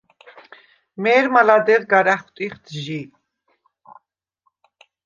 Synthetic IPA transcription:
mɛːɾmalad̪ɛɾɡaɾaχt̪ʼiχt̪ʰʒi

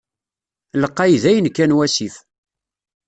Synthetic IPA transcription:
ləqːɑjðæjənkːænwæsif

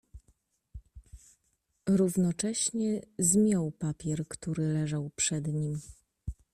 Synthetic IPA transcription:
ɾuvnɔt͡ʂɛɕɲɛzmʲjɔwpapʲjɛɾkt̪uɾɘlɛʐawpʂɛd̪ɲim

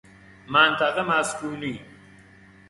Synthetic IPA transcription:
mant̪ɐqɐmaːskuːli

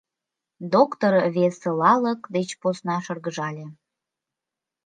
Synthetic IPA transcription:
d̪okt̪orβeselɑləkd̪et͡ɕposnɑʃɤrɣəʒɑlʲe

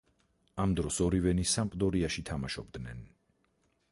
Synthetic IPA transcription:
amd̪ɾɔsɔɾivɛnisampʼd̪ɔɾiaʃit̪ʰamaʃɔb̚d̪nɛn

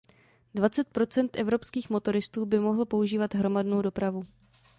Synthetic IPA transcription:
dvat͡sɛt̪̚pɾo̞t͡sɛnt̪ʔɛvɾo̞pskiːxmo̞t̪o̞ɾɪst̪uːbɪmo̞ɦl̩po̞uʒiːvat̪ɦɾo̞madno̞wdo̞pɾavu

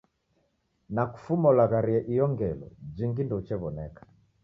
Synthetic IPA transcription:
naku̥fumɔlaɣaɾiɛʔijɔŋɡɛlɔ̰d͡ʒiŋɡindɔut͡ʃɛβɔnɛkḁ

